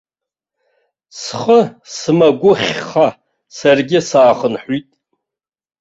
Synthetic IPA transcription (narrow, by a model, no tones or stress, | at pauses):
sχəsɨmaɡʷʊχʲχa | sarɡʲɪsaːχənħʷitʼ